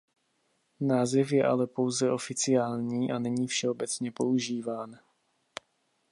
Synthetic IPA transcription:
naːzɛfjɛʔa̰lɛpo̞wzɛʔo̞fɪt͡sɪjaːlɲiːʔanɛɲiːfʃɛo̞bɛt͡sɲɛpo̞uʒiːvaːn

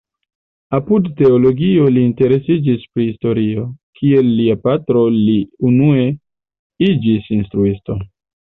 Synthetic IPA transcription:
apudte̞olo̞ɡio̞liːnte̞ɾe̞sid͡ʒispɾihisto̞ɾio̞kʰie̞lːiapatɾo̞liunue̞ | id͡ʒisinstɾuisto̞

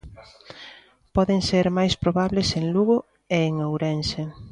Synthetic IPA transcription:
pɔðeŋseɾmajspɾoβaβleseŋluɣʊ | eːŋowɾense

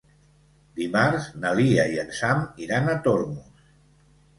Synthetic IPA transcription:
d̪imaɾznaliaiənsamiɾanat̪oɾmus

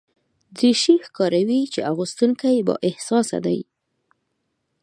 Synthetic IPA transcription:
d͡ziʃixkɑɾawit͡ʃeaɣust̪uŋkajbɑ̰ʔɪhsɑsa̰d̪a̰j

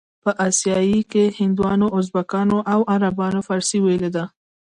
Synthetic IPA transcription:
pəʔasjɑjikehɪnd̪wɑnoʊzbakɑnoʔawaɾabɑnofɑɾsiweled̪a

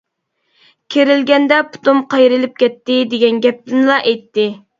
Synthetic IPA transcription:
kʲʰeɾɪlɡʲɛnd̪ɛpʰu̥t̪umqʰɑjɾɪlɪp̚kʲɛt̪ːɪd̪eɡʲɛnɡʲɛp̚t̪ɪnlˠɑʔɛjt̪ːɪ

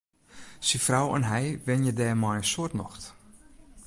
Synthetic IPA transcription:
sifrawɛ̰nɦɛjʋɪnjədɛːmɔjəsuətnɔ̰xt

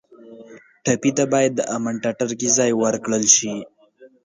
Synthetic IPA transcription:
ʈapit̪̬abɑjad̪ːəʔamaɳʈaʈaɾkizɑjwəɾkɽəlʃi

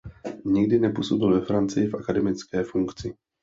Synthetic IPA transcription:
ɲɪɡdɪnɛpusobɪlvɛfɾant͡sɪjɪfʔakadɛmɪt͡skɛːfuŋkt͡sɪ

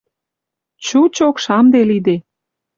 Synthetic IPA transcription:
t͡ɕut͡ɕokʃɑmd̪elid̪e

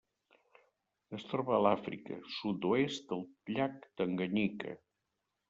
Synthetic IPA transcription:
əst̪ɾɔβəːlafɾḭkə̰sut̪oest̪əlˠʎak̚d̪əŋɡəɲikə̰

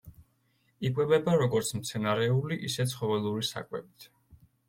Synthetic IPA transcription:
ikʼwɛbɛbaɾɔɡɔɾt̪sʰmt̪sʰɛnaɾɛuliʔisɛt̪sʰχɔvɛlˠuɾisa̰kʼwɛ̰bit̪ʰ

